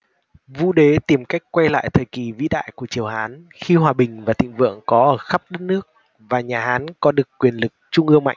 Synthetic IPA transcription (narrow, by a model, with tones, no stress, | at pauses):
vṵ˧ɗe˨˦t̪i˨˩mka˦˥jk̟̚kwa˧jla̰ː˧˨jt̪ʰəː˨˩jki˨˩vḭ˧˥ɗa̰ː˧˨jku˧˩ət͡ɕi˨˩əwhaː˨˦n | xi˧hwaː˨˩ɓï˨˩ŋ̟vaː˨˩t̪ḭ̈˧˨ŋ̟vɨ̰˧˨əŋkɔ˨˦ʔəː˧˩xə˦˥p̚ɗə˦˥t̚nɨ˦˥ək̚ | vaː˨˩ɲaː˨˩ɦaː˨˦nkɔ˨˦ɗɨ˨˩əkːwi˨˩ənlɨ˨˩k̚t͡ɕʊ˧ŋ͡mʔɨ˧əŋma̰˧˨jŋ